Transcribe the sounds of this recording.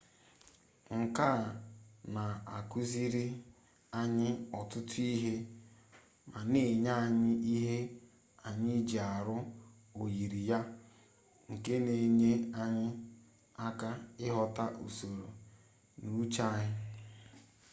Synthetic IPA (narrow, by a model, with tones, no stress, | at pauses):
ŋ̩˨ka˦˨na˨a˨ku˦zi˦ɾi˦ | a˦ɲɪ˦ɔ˨tʊ˦tʊ˦i˦ɦe˦ | ma˨ne˨ɲa˦˨ɲɪ˦i˦ɦe˦ | a˨ɲɪ˦d͡ʒi˨a˨ɾʊ˦ | o˨ji˨ɾi˨ja˦ | ŋ̩˨ke˦ne˨ɲe˦a˦ɲɪ˦ | a˦ka˦ɪ˦ɦɔ˨ta˦ʔu˨so˨ɾo˨ | nu˨u˦t͡ʃa˦ɲɪ˦